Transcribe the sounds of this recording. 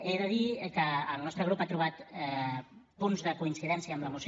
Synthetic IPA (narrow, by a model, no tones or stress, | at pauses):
eðəðikəːlˠnɔst̪ɾəɣɾupat̪ɾuβ̞at̪ɛpunzðəkuinsiðɛnsijəːmləmus